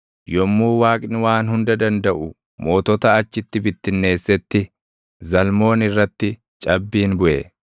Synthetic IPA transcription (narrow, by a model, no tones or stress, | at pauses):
jɔmːuːwaːkʼnwaːnɦʊnd̪ɐd̪ɐnd̪ɐʔʊ | moːt̪ɔt̪ɐɐt͡ʃːɪt̪ːɪbɪt̪ːɪnːe̞ːsːɛt̪ːɪ | zɐlmo̞ːnɪrːɐt̪ːɪ | t͡ʃʼɐbːiːnbʊʔɛ̰